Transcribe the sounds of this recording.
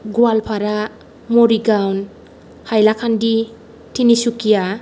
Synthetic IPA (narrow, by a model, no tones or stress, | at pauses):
ɡualpʰaɾa | moɾiɡɾawn | hajlakʰandi | tʰinisukija